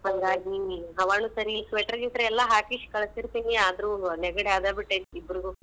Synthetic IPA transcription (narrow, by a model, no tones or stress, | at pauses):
hɐŋɡaːɡiɦɐʋaːnusɐɾisʋeːʈɐɾɡiʈ̪ɾeɛlːɐɦaːkiʃkɐɭɐsiɾt̪iːniaːd̪ɐɾuːnɛɡɐɽeaːd̪aːbiʈːeibːɾuɡu